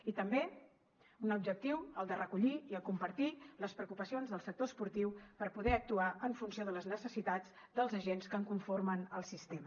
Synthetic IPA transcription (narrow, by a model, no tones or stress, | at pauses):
it̪əmbe | unubd͡ʒək̚t̪iwəlˠd̪ərəkuʎiiəkumpəɾt̪iləspɾəukupəsionzðəlˠsək̚t̪ospuɾt̪iwpəɾpuðɛək̚t̪uaəɱfunsioðələznəsəsit̪ad͡z | d̪əlˠzəʒenskəŋkuɱfoɾmənəlˠsist̪emə